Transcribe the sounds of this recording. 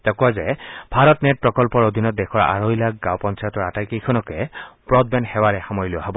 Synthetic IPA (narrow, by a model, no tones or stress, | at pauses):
takuwazɛbʱaɹɔtnɛt̚pɹɔkɔlpɔɹod̪ʱinɔt̚dɛxʰɔɹa̰ɹojlak̚ɡãwpɔnsajɔtɔɹatajkejkʰɔnɔkɛpɹɔd̚bɛnxɛwaɹɛxamɔjluaɦɔbɔ